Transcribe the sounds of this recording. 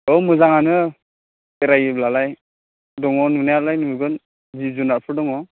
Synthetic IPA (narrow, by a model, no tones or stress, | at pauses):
ɔmɯzaŋanɯ | eɾajɯblalaj | dɔŋɔnunajalajnɯmɯɡɯn | zizunaɾpʰɯdɔŋɔ